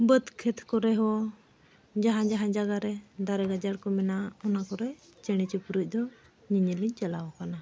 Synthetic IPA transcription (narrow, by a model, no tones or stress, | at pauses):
bət̪kʰɛt̪ʰkɔɾɛɦɔ | d͡ʒaɦãd͡ʒaɦãd͡ʒaɡaɾɛd̪aɾɛɡad͡ʒaɽkɔmɛnaɔnakɔɾɛ | t͡ʃɛɽ̃it͡ʃipuɾuc̚ˀd̪ɔ | ɲiɲəliɲt͡ʃɛlawɔkana